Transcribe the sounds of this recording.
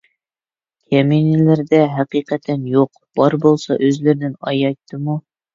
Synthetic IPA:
kʲʰæminilæɾd̪ɛɦæqiqæt̪ʰænjoq̚ | b̥ɒɾbolˠsɑʔɵzlæɾnɪnɑjɑjt̪ʰːɨmu

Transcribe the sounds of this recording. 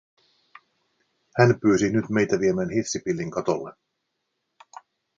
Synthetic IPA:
hænpyːsinyt̪me̞jt̪æʋiemæːnhifsipilːiŋkɑt̪olːe

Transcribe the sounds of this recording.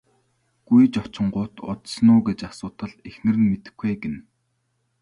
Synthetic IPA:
ɡ̥ujt͡ɕɔt͡ɕɪ̆ɴɢʊːt̪ʊ̰t̪snʊːɡet͡ɕasʊːt̪ə̆ɮexnɘ̆rɘ̆nmet̪ɘ̆xɡeːɡĕn

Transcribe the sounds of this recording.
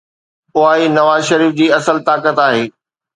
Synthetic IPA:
ʊaːinɐʋaːzʃɐɾiːfd͡ʑiːɐsəlt̪aːkət̪aːɦeː

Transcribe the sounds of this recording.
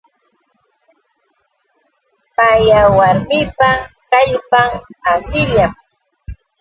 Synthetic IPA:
pajawaɾmɪpakaʎpaŋasɪʎam

